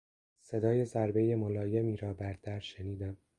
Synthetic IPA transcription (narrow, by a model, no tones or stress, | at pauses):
se̞d̪ɒːje̞zæɾbejemolɒːje̞miːɾɒːbæɾt̪ʰæɾʃeniːd̪æm